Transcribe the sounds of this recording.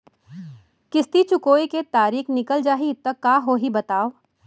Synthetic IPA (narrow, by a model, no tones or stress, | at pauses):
kɪst̪it͡ʃʊkoːiket̪aːɾiːxnɪkəld͡ʒaːɦit̪ːɐkːaːɦoːɦibɐt̪aːo